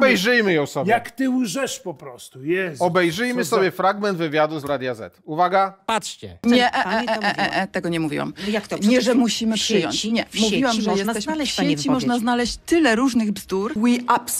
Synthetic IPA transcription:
bɛjʐɘjmɘjɔ̃w̃sɔbjakt̪ɪuʐɛʂpɔpɾɔst̪ujɛsɔbɛjʐɘjmɘsɔbʲjɛfɾaɡmɛnd̪vɘvʲjad̪uzɾad̪jazɛ̰t̪uvaɡapatʂt͡ɕɛɲɛʔɛɛɛʔɛʔɛʔɛt̪ɛɡɔɲɛmuvʲḭwa̰mjakt̪ɲɛʐɛmuɕimɘpʂɘjɔ̰ɲt͡ɕɲɛmuvʲiwamʐɛjjɛsɛɕlɛɕet͡ɕimɔʐnaznalɛɕt͡ɕt̪ɘlɛɾuʐnɘɣbzd̪uɾwiʔaps

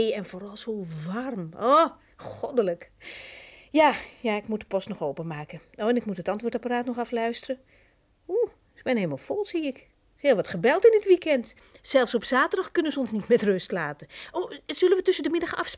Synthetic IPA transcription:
ɛnforɑlˠsoːʋarmo | xɔdələk | jajaɪkmut̚də̥pɔstnɔxowpənmaːkəowɛnɪkmutɦətɑntʋoːtaparaːtnɔχɑflœɥstərə | u | sbɛnelmalˠfɔlˠsiɪk | hɪːlˠʋɑtχəbɛlˠtɪndɪtʋikɛnt | sɛlˠfsɔpsaːtərdɑxkønənzəɔnsnitmɛtrøstlaːtəʔoz̥ølənʋətɵsədəmɪdaxəɑfs

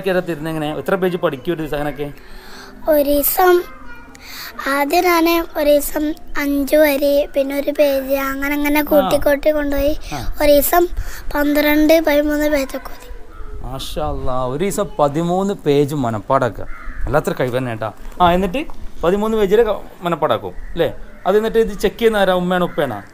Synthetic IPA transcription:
kʲːɐɾɐt̪̬ːiɾunːɐeŋːɐneḭt̪ːrɐp̬eːd͡ʑɨpɐʈikʲːuoɾuisɐŋːɐneokːeː | o̞ɾuisɐm | aːd̪jinaːneo̞ɾuisɐmɐɲd͡ʑuʋɐɾipinːeo̞ɾupe̞ːd͡ʑɨɐŋːɐneɐŋːɐne̞kuːʈːikːo̞ːʈːikːo̞ɳɖuoːjioɾuisɐmpɐnd̪ɨrɐɳɖɨpɐðimuːnːɨpe̞ːd͡ʑokːuɐði̥maːʂaːɐlˠːɐoɾuisɐmpɐðimuːnːɨpe̞ːd͡ʑɨmːɐnɐpːaːɽɐkːɐ̰elːaːt̪ːrɐkɐjpɐnːeːʈːa̰ːaːenːiʈ̬ːɨpɐðimuːnːɨpeːd͡ʑiɾemɐnɐpːaːɽɐkːṵmlḛːɐðenːiʈːɨiðɨt͡ɕekːijɐnːaːɾaːumːeːɳupːeːɳa̰ː

